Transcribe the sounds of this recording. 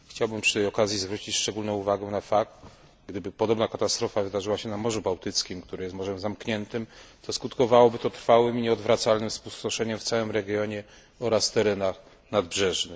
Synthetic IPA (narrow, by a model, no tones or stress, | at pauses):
xt͡ɕawbɘmpʂɨ̥t̪ɛjɔkazʲjizvɾut͡ɕit͡ɕʂt͡ʂɛɡulnɔ̃w̃uvaɡɛw̃nafak̚t̪ | ɡd̪ɘbɘpɔd̪ɔbnakat̪ast̪ɾɔfavɘd̪aʐɘwaɕɛnamɔʐubawt̪ɘt̪skʲimkt̪uɾɘjɛsmɔʐɛmzamkɲɛnt̪ɘmt̪ɔskut̪kɔvawɔbɘt̪ɔt̪ɾfawɘmiɲɛɔd̪vɾat̪salnɘmfspuwst̪ɔʂɛɲɛmft̪sawɘmɾɛɡʲjɔɲɛ | ɔɾast̪ɛɾɛnax | nad̪bʐɛʐnɘ